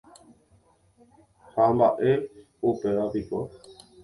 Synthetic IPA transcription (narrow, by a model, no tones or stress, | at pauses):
hambaʔe | upeʋapipo̰